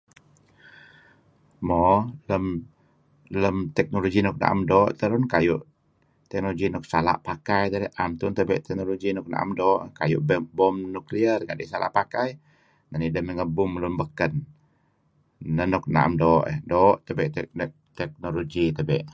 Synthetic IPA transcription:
mɔləm | ləmt̪ɛk̚noloɡinɔk̚na̰ʔa̰mdɔːʔt̪əɾʊnkajuʔ | t̪ɛk̚noloɡinɔk̚sala̰ʔpakajt̪əɾɛʔʔamt̪ʊnt̪əbɛʔt̪ɛk̚noloɡinɔk̚na̰ʔa̰mdɔːʔkajʊʔbəbɔmnukliərɡadɛʔsala̰ʔpakaj | nanidəməŋəbʊmlumbəkən | ənɔk̚na̰ʔmdɔʔə̰dɔːʔt̪əbɛʔt̪ʔ | t̪ɛk̚noloɡit̪əbɛʔ

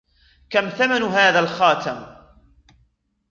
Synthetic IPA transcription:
kamθamanɦaːðalxɑːt̪am

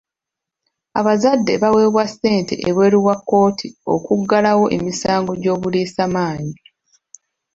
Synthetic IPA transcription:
a̰βazadːe̞̰βawe̞ːβwasːe̞ːnte̞̰ʔeβwe̞ːɾiwakːo̞ːtʰio̞̰kuɡːalawo̞ʔe̞misaːŋɡo̞ɟo̞ːβuliːsamaːɲi

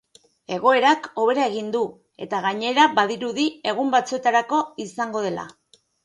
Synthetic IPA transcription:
e̞ɣ̞o̞e̞ɾako̞β̞e̞ɾae̞ɣind̪u | e̞̰t̪aɣaɲe̞ɾabaðiɾuðie̞ɣ̞umbat͡sue̞t̪aɾako̞isaŋɡo̞ð̞e̞la̰

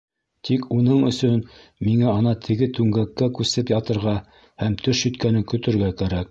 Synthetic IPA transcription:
t̪ʰikunɤɴɵ̆sɵn | miŋæɑnɑt̪ʰɘ̆ɡɘt̪ʉŋɡækːækʉsɘpjɑt̪ɤ̆ɾʁɑ | hæmt̪ɵʃjɵ̆t̪kænɘŋkɵ̆t̪ɵ̆ɾɡækæɾæk̚

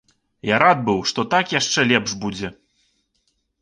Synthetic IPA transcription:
jaɾad̪̚bɨwʂt̪ɔt̪akjaʂt͡ʂɛlʲɛpʐbud͡zʲɛ

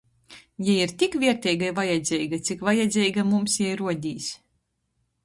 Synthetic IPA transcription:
jaiɾt̪ʲikvʲiɛɾt̪ʲɛjɡajvajɛd̪zʲɛjɡat̪sʲikvajɛd̪zʲɛjɡamumsjɛjɾuɔd̪ʲiːs

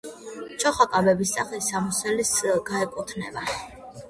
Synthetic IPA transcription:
t͡ʃʰɔχakʼabɛbis̬t̪sʼaχɛisamusɛlisɡaɛkʼut̪ʰnɛ̰ba

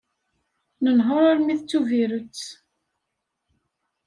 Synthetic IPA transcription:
nənɦoɾˤaɾmiθt͡sːuviɾət͡sː

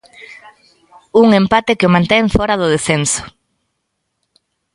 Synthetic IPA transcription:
uŋempat̪ɪkɪomãnt̪ɛŋfɔɾɐðʊð̞esensʊ̥

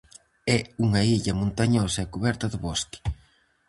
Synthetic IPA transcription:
ɛuŋɐiʎɐmõnt̪aɲɔsɐɛkuβɛɾt̪ɐðʊβɔst̪i̥

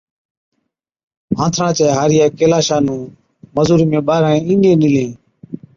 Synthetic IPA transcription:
ɦãːt̪ʰɾãːt͡ʃeːɦaːɾɪjaːkeːlaːʃaːnũː | məzuːɾiːmẽːɓaːɾaːẽːĩːnɗẽːnɪlẽː

